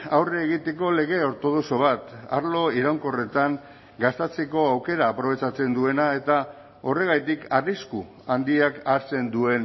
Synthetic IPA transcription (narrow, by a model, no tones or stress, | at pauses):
awreːɣ̞it̪e̞ko̞le̞ɣ̞e̞o̞ɾt̪o̞ðo̞so̞β̞at̪a̰ɾlo̞iɾawŋko̞re̞t̪aŋ | ɡast̪et͡seko̞awke̞ɾaːpɾo̞β̞e̞t͡ʃat͡se̞nd̪ue̞nae̞t̪a | o̞re̞ɣ̞ajt̪ikarisku | and̪iakaɾt͡se̞nd̪ue̞n